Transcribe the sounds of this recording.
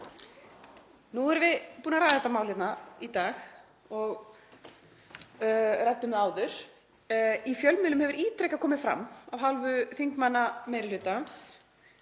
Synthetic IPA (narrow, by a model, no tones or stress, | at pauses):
nuɛɾvɪðpuːnaɾaːjðaðθɛt̪ːamaːwlɪt̪nait̪aːx | ɔɣ | rat̪ːʏmðaːwðʏɾ̥ | ifjœlmɪːlʏmhɛvʏɾiːt̪ɾɛjcakʰɔːmɪ̥fɾa̰mːawɦalvʏθiŋkmanːameːjɾɪlʏːt̪aans